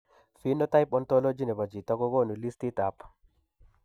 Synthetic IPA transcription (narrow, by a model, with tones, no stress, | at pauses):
fi˦nɔ˦ta˦jpɔ˨nto˦lo˦d͡ʒi˦ne˨ba˨d͡ʒi˨ta˦ɡo˦ɡo˦nu˨li˦sti˦ta˨p